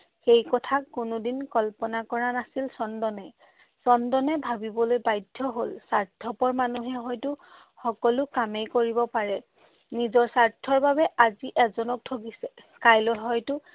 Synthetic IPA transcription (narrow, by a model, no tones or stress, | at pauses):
xejkɔtʰakːʊnʊdinkɔlpɔnakɔɹanasilsɔndɔnɛ | sɔndɔnɛbʱabibɔlojbajdʱːɔɦolsaɹdʰʱɔpɔɹmanuɦɛɦɔjtʊ | xɔkɔlʊkamejkoɹibɔpaɹɛ | nizɔɹsaɹtʰːɔɹbabɛʔaziʔɛzɔnɔk̚tʰokisɛ | kajlɔɦɔjtʊ